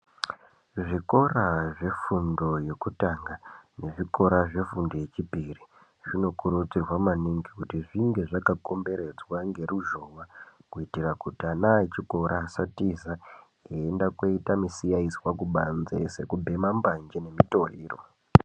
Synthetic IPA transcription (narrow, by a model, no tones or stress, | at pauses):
ʐiko̞raʐe̞fundo̞je̞kutaŋɡane̞ʐiko̞ɾaʐe̞fundo̞je̞t͡ʃipiri | ʐ̥ino̞kuɾut͡sirwamaniŋɡikutiʐiŋɡe̞ʐakako̞mbe̞ɾe̞d͡zwaŋɡe̞ruʒo̞wakuitirakutianait͡ʃiko̞ɾʔaːsatiza | eendako̞itamisijaizwakuɓanzḛse̞kubʱe̞mamband͡ʒene̞mito̞rḭːro̰